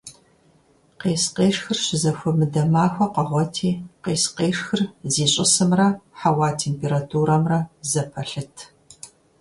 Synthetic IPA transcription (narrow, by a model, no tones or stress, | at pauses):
qeːsqeːʂxɨrɕɪzɐxʷɔmɨdɐmaːxʷɐqɐʁʷɔtʰiːqeːsqeːʂxɨrziːɕʼɪsɨmrɐħawaːtʰeːmpʰeːɾatʰuːɾɐmrɐzɐpʰɐɬɨtʰ